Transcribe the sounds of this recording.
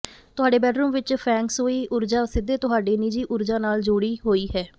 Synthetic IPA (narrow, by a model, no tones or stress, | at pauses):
t̪ʊɦaːɖeːbɛːɖɾuːmʋɪt͡ʃpʰɛ̃ːŋksɦoːiːʔʊɾd͡ʒaːsɪd̪eːt̪ʊɦaːɖeːnɪd͡ʒiːʔʊɾd͡ʒaːnaːld͡ʒoːɽiːɦoːiːɦɛː